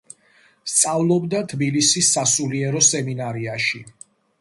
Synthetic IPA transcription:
st̪sʼavlˠɔbd̪at̪ʰbilisisːasuliɛɾɔsɛminaɾiaʃi

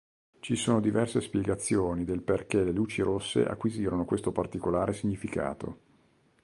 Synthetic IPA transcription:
t͡ʃisoːnod̪ivɛrsespjɛɡat̪sːjoːnid̪elperkeleluːt͡ʃiɾosːḛʔa̰kːwiziːɾonokwest̪opart̪ikolaːɾesiɲːifika̰ːt̪o̰

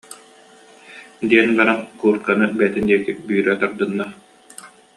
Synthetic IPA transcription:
d̪iɛnbaɾaŋkuːɾt̪̚kanɯbɛːt̪ind̪iɛɾk̪ibyːɾœt̪aɾd̪ɯnːa

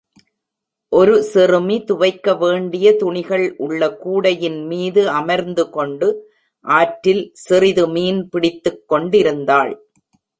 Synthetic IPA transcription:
ʔɔɾɯsɪrɯmit̪ʊʋɐɪkːɐʋeːɳɖɪjɐt̪ʊɳɪɣɐɭʔʊɭːɐkuːɽɐjɪnmiːðɯɐmɐɾnd̪ɯkɔɳɖɯ | ʔaːʈɾɪlsɪrɪðɯmiːnpɪɽɪt̪ːɯkːɔɳɖɪɾɯnd̪aːɭ

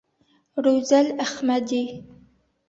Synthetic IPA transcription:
ɾowzalahmad̪i

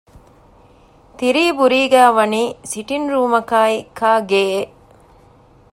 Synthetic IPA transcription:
t̪iɾiːbuɾiːɡæːʋɐniːsiʈinɾuːmɐkaːikʰaːɡeːe

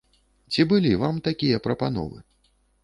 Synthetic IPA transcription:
t͡sʲibɨlʲivamt̪akʲijɐpɾɐpanɔ̰vɨ̰

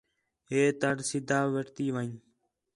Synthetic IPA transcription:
ɦeːt̪əɽsɪd̪ʱaːʋəʈt̪iːʋəĩ

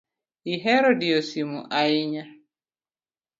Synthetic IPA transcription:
iɦeɾodiosimuʔaɪɲa

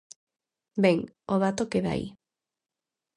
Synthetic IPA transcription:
beŋ | oð̞at̪okeða̰ḭ

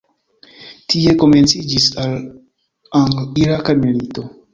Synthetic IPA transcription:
tʰie̞ko̞me̞nt͡sid͡ʒisal | aŋɡliɾakamilito̞

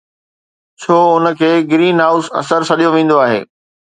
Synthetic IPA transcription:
t͡ɕʰoːʊnə̆kʰeːɡɾiːnɦaːʊsɐ̰səɾt͡ɕʰɐɗijoʋẽːn̆d̪oaːɦḛː

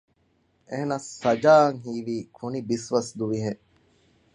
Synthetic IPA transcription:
eɦenɐsːɐd͡ʒaːɐŋɦiːʋiːkʰunibisʋɐsd̪uʋiɦe

